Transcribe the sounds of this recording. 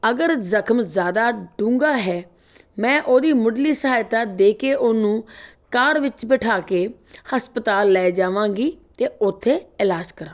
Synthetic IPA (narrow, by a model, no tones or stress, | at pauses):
əɡəɾzəkʰmzjaːd̪aːɖũːŋɡaːɦɛː | mɛ̃ːʔoːd̪iːmʊɖliːsəɦaːjt̪aːd̪eːkeːʔʊnũː | kaːɾʋɪt͡ʃbɪʈʰaːkeːhəspət̪aːlːɛːd͡ʒaːʋãːɡiːt̪eːʊt̪ʰːeːɪlaːd͡ʒkəɾãː